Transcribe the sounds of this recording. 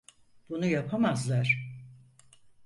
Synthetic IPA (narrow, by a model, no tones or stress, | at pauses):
b̥unujapʰamazlˠaɾ̥